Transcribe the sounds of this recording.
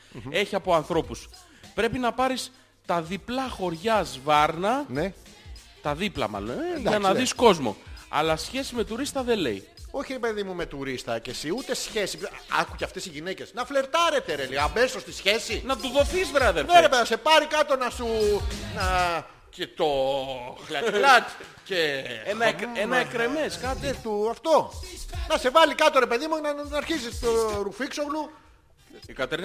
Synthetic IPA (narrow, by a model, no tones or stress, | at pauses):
e̞çiɐpo̞ɐnθɾo̞pus | pɾe̞pinɐpɐɾis | t̪ɐðiplɐxo̞ɾʝɐzvɐɾnɐne | t̪ɐðiplɐ̰mɐ̰loneʝɐnɐðisko̞zmo̞̰ɐ̰lɐsçe̞sime̞t̪uɾist̪ɐðe̞le̞̰j | o̞çiɾepe̞ðimume̞t̪uɾist̪ɐcesiut̪esçe̞siɐ̰kuceɐft̪e̞siʝinecesnɐfle̞ɾt̪ɐɾet̪eɾeliɐme̞sost̪isçe̞sinɐt̪uðofizðɾɐðeneɾepeðɐse̞pɐɾikɐt̪o̞nɐsunɐ | cet̪o̞xlɐklɐt̪ | ceenɐenɐekɾemeskɐt̪et̪uɐft̪o̞nɐse̞vɐlikɐt̪o̞ɾe̞pe̞ðimunɐnɐɾçisist̪oɾufiksoɣlu | ikɐt̪eɾ